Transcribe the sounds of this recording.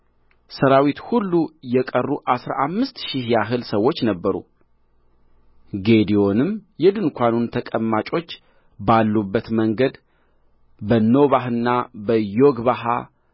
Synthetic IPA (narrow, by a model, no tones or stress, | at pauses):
səɾawit̪hulːujɛkʼərːuʔasɾa̰ʔamːɨst̪ʃɪhjaɦɨlsəwːo̞t͡ʃːnəbːəɾṵ | ɡe̞d̪io̞nɨmjɛd̪ɨnkʰʷanunt̪ʰəkʼəmːat͡ʃʼo̞t͡ʃː | balːubːət̪məŋɡəd̪ | bənːo̞βaɦɨnːabəjoɡβaɦa̰